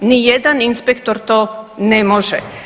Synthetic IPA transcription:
nijed̪aninspekt̪oɾt̪onemoʒɛ̰

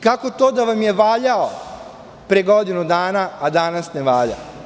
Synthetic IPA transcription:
kako̞t̪oːd̪aʋamjeʋaːʎao | pɾeɡo̞d̪inud̪aːnaːd̪anasneʋaːʎa̰

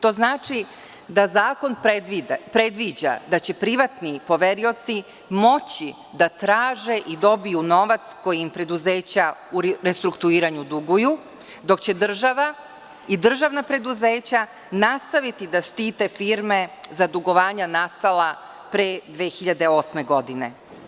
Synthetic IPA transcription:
t̪o̞ːznaːt͡ʂi | d̪azaːko̞npeipɾe̞d̪ʋid͡ʑa̰d̪at͡ɕe̞pɾiʋat̪nipo̞ʋe̞ɾio̞t̪si | mo̞t͡ɕi | d̪at̪ɾaːʒe̞ʔid̪o̞bijuno̞ʋat̪sko̞jiimpɾe̞d̪uzeːt͡ɕauɾest̪ɾukt̪uiːɾaɲud̪uɡuju | d̪o̞kt͡ɕe̞d̪r̩ʒaʋa | id̪r̩ʒaʋnapɾe̞d̪uze̞ːt͡ɕa | nast̪aʋit̪id̪aʃt̪iːt̪e̞fiːɾme̞zad̪uɡo̞ʋaːɲanast̪ala | pɾed̪ʋeːxiʎad̪e̞o̞ːsme̞ɡo̞d̪ine̞

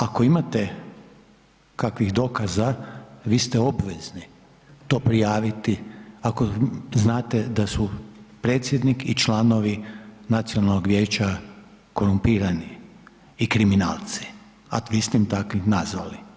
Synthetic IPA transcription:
ako̞imat̪e | kakʋixd̪o̞kazaʋiːst̪ɛo̞bʋezni | t̪o̞ːpɾijaːʋit̪iako̞znaːt̪ed̪asupɾe̞ːt̪sʲjed̪nikit͡ʃlˠano̞ʋinat̪sio̞nalno̞ɡʋje̞ːt͡ʃa | ko̞ɾumpiːɾaniː | kɾimina̰ːlˠt̪si̥ | a̰ʋist̪emt̪akʋixnazʋali

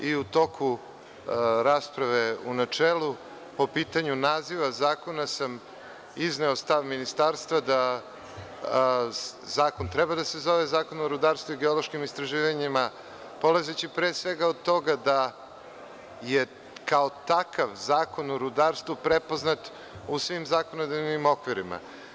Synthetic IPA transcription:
iut̪o̞kʰu | ɾaːspɾaʋeunat͡ʂeːlu | po̞piːt̪aɲunaːziʋazaːko̞nasam | izneost̪aʋminist̪aːɾst̪ʋad̪a | zaːko̞nt̪ɾɛbad̪asezo̞ʋezaːko̞noɾud̪aːɾst̪vuiɡeolˠo̞ʃkimist̪ɾaʒiːʋaɲima | po̞lezet͡ɕipɾeːsʋeɡaod̪̚t̪o̞ɡad̪a | je | kaot̪akʰaʋzaːko̞noɾud̪aːɾst̪vupɾepo̞znat̪ | usʋimzakonod̪evnimo̞kʋiɾima̰

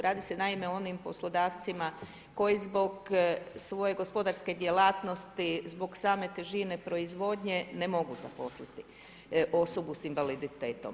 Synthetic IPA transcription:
ɾaːd̪ise̞naimeo̞nimpo̞slˠo̞d̪aːʋt̪sima | ko̞jizbo̞ɡsʋo̞je̞ɡo̞spo̞d̪aɾske̞d̪jelaːt̪no̞st̪izbo̞ɡsaːme̞t̪eʒine̞pɾo̞izʋo̞ːd̪ɲe̞nemo̞ɡuzapo̞slit̪i | ʔo̞sobusinʋalid̪it̪eːt̪o̞m

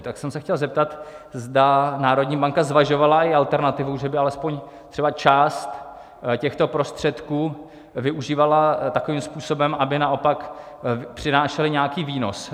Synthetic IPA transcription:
t̪aksɛmsɛxcɛlzɛp̚t̪at̪ | zdanaːɾod̪ɲiːbaŋkazvaʒo̞valaɪʔalt̪ɛɾnat̪ɪvuʒɛbɪalɛspoɲ | t̪r̥ɛbat͡ʃaːst̪ | cɛxt̪o̞pɾo̞st̪r̝̥ɛt̪kuː | vɪʔuʒiːvalat̪ako̞viːmspuːso̞bɛmʔabɪnaʔo̞pak | pr̝̥ɪnaːʃɛlɪɲakiːviːno̞̰s

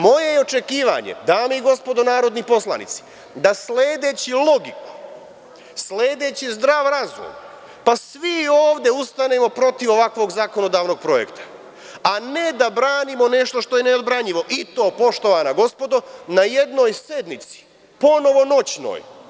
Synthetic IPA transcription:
mo̞je̞jeo̞t͡ʃe̞kiːʋa̰ɲḛd̪aːmeiɡo̞spo̞d̪onaːɾo̞d̪nipo̞slˠa̰nḭt̪si̥ | d̪asleːd̪e̞ːt͡ɕilˠo̞ɡiku̥ | sleːd̪e̞ːt͡ɕizd̪ɾaːʋɾazo̰j | pasʋioːʋd̪e̞ust̪ane̞ːmo̞pɾo̞t̪iʋo̞ʋakʋo̞ɡzako̞no̞d̪aːʋno̞ɡ̥̚pɾo̞je̞̰kt̪ḁ | aned̪abɾaːnimo̞ne̞ʃt̪oʃt̪o̞jeneod̪bɾaɲiʋo̞ʔit̪o̞ːpo̞ʃt̪o̞ʋanaɡo̞spo̞d̪o̞naje̞d̪no̞ːjse̞d̪nit̪si̥ | po̞no̞ʋo̞not͡ɕno̰ːj

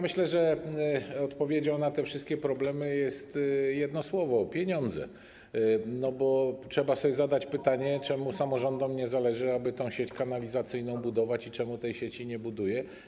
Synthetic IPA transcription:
mɘɕlɛʐɛ | ɔt̪pɔvʲjed͡ʑawnat̪ɛfʂɘst̪kʲɛpɾɔblɛmɘjɛst̪jɛd̪nɔswɔvɔpʲjeɲɔnd̪zɛ̰ | nɔbɔtʂɛbasɔbʲjɛzad̪at͡ɕpɘt̪aɲɛt͡ʂɛmusamɔʐɔnd̪ɔmɲɛzalɛʐɘabɘt̪ɔ̃w̃ɕet͡ɕkanalʲizat̪sɘjn̪ɔ̃w̃bud̪ɔvat͡ɕit͡ʂɛmut̪ɛjɕet͡ɕiɲɛbud̪ujɛ

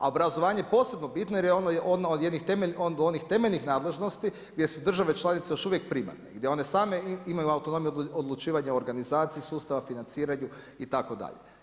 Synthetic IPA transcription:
a̰o̞bɾazo̞ʋaːɲejepo̞ːse̞bnobit̪no̞jeɾjeonojʔod̪naod̪jed̪nixt̪emeono̞nixt̪e̞meʎnixnaːd̪le̞ʒno̞st̪i | ɡ̥d̪ʲje̞sud̪r̩ʒaʋe̞t͡ʃlˠanit̪se̞joʃuʋjek̚pɾima̰ɾneɡd̪jeo̞ne̞saːme̞imajuawt̪ono̞mijod̪lˠut͡ʃiːʋaɲaoɾɡanizaːt̪sijisuːst̪aʋafinant̪siːɾaɲu | it̪ako̞d̪a̰ʎe

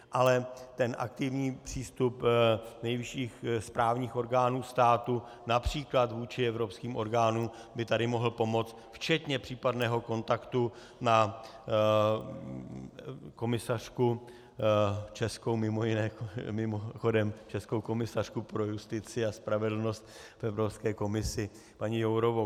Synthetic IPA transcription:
ʔalɛt̪ɛnʔa̰k̚t̪ɪvɲiːpr̝̥iːst̪upnɛjvɪʃiːxspɾaːvɲiːxʔo̞ɾɡaːnuːst̪aːt̪u | napr̝̥iːklat̪vuːt͡ʃɪɛvɾo̞pskiːmʔo̞̰ɾɡaːnuːm | bɪt̪adɪmo̞ɦl̩po̞mo̞t͡st̪ft͡ʃɛt̪ɲɛpr̝̥iːpadnɛːɦo̞ko̞nt̪akt̪u | na | ko̞mɪsar̝̥ku | t͡ʃɛsko̞wmɪmo̞jɪnɛːmɪmoxo̞dɛmt͡ʃɛskowko̞mɪsar̥kupɾo̞just̪ɪt͡sɪaspɾavɛdl̩no̞st̪ | fɛvɾo̞pskɛːko̞mɪsɪ | paɲɪjowɾovo

